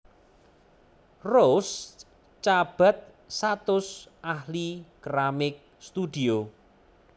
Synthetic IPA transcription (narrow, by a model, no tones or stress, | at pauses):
ros | t͡ʃab̥ä̤t̪̚ | sat̪ʊsʔahlikɾamɪk̚ | st̪ud̪̥io